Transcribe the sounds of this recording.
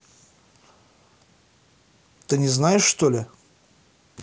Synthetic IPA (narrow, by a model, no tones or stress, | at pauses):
t̪ɨnʲɪznajɪʂːt̪olʲɪ